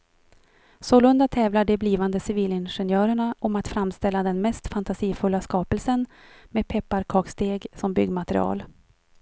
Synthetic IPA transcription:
soːlɵnd̪at̪ʰɛːvlaɖɛbliːvand̪əsɪviːlɪnɧɛnjœːɾəɳaʔɔmat̪fɾamst̪ɛlːad̪ɛnmɛst̪fant̪asiːfɵlːaskɑːpəlsənmeːpʰɛpːaɾkʰɑːkst̪eːɡsɔmbʏɡːmat̪ɾɪ̰ɑ̰ːl

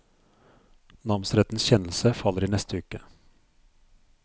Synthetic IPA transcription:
nɑmnsɾɛt̪n̩sçɛnl̩səfɑlːəɾiːnɛst̪əʉːkə

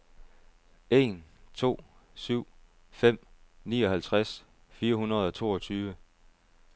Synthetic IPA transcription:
e̝nt͡sʰo̝̰ːsyʊ̰ | fem̰nḭːɒ̽ɦælt͡sʰʁas | fiːɐɦunɐð̞̩ˠɒ̽t͡sʰo̝̰ːɒ̽t͡sʰyːʋə

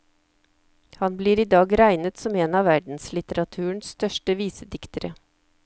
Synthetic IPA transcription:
hɑnbliːɾiːd̪ɑːɡɾæɪnət̪sɔmeːnɑʋæɖn̩slɪt̪əɾɑt̪ʰʉːəɳsst̪œʂʈəʋiːsəd̪ɪkt̪əɾə

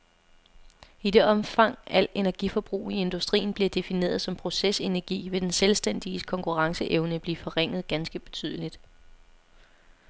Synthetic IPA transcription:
id̥e̝ɒ̽mfɑ̈ŋ̰æl̰de̝næɐɡ̥ifɒ̽b̥ʁṵːie̝nd̥usd̥ʁḭːn̩b̥liɐd̥e̝fine̝̰ːɐð̞ˠsɒ̽mpʰʁo̝sese̝næɐɡ̥ḭːʋe̝d̥enselsd̥en̰d̥iəkʰɒ̽ŋkʰuʁɑ̈ŋsəʔeʊnəb̥liːfɒ̽ʁeŋ̰ð̞̩ˠɡ̥ænsɡ̥əb̥e̝t͡sʰy̰ð̞ˠəlid̥

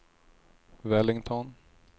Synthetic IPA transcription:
vɛlɪŋt̪ʰɔn

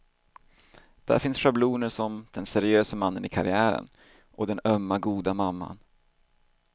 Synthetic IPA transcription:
d̪̥æ̰ɾfɪnsʂabluːnəʂɔmd̪̥ɛnsæɾɪøːsəmanːənɪkʰaɾɪæːɾə̰n | ʔɔd̪ɛnœmːaɡuːd̪amamːa̰n

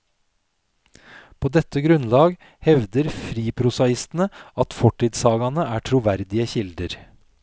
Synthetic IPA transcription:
pʰoːd̪ɛt̪əɡɾʉnlɑːɡ | hɛʋd̪əɾfɾiːpʰɾʊsɑɪst̪n̩əɑt̪fɔʈiːd̪sɑːɡɑnəʔæːʈʰɾuːʋæɾd̪ɪəçɪld̪əɾ

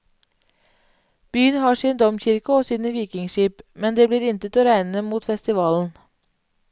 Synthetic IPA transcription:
b̥yːənhɑːʂiːnd̪ɔmçɪɾkəoːsiːnəʋiːkɪŋʃiːpmɛnd̪eːbliːɾɪnt̪ət̪oːɾæɪnəmuːt̪fɛst̪ɪʋɑːln̩

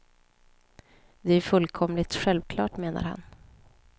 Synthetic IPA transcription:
d̪ɛæɾfɵlːkʰɔmlɪt̪ɧɛlvkʰlɑ̰ːʈmeːna̰ɾha̰n

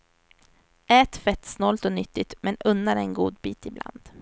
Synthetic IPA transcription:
ɛːt̪fɛt̪ːsnɔlt̪ɔnʏt̪ːɪt̪mɛnɵnːaɾɛnɡuːd̪biːt̪ɪbla̰nd̪̥

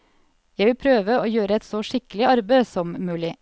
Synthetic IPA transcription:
jæɪʋɪlpʰɾøːʋəoːjøːɾəɛt̪sɔʂɪkəlɪɑɾbeɪsɔmmʉːlɪ

